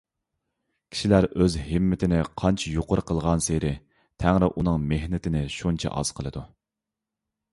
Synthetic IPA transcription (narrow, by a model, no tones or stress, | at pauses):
kʲʰi̥ʃilæɾøzɦɪmːɪt̪ʰɪnɪqʰɑnt͡ʃʰɛjoqʊɾqʰəlˠʁɑnseɾɪ | t̪ʰæŋɾɪʔunɨŋmeɦnɪt̪ʰɪnɪʃunt͡ʃʰɛ̰ʔɑ̰z̥qʰəlˠɨd̪u